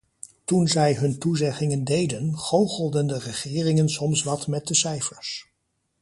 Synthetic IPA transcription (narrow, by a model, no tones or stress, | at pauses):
tunzɛjɦɵntuzɛχɪŋəndejdənχowχəlˠdəndərəχɪːrɪŋənsɔmsʋɑtmɛt̚dəsɛjfəɹs